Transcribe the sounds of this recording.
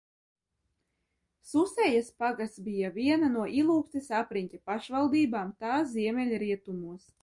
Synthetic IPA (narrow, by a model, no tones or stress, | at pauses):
susɛjaspaɡasbijavʲiɛnanuɔʔilˠuːkt̪isapɾinʲtʲapaʃvalˠd̪iːbaːmt̪aːzʲiɛmʲɛlʲɾiɛt̪umuɔs